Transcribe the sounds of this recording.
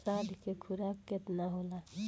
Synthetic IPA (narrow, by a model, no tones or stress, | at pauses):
saːd̪ʱkekʰuɾakːɪt̪naɦoːla